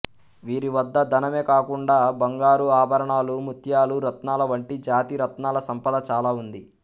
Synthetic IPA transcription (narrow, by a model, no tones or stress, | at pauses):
ʋiːɾiʋɐd̪ːɐd̪ʱɐnɐmeːkaːkuɳɖaːbɐŋɡaːɾuaːbʱɐɾɐɳaːlumut̪ʰjaːluɾɐt̪naːlɐʋɐɳʈid͡ʒaːt̪iɾɐt̪naːlɐsɐmpɐd̪ɐt͡ʃaːlaːund̪i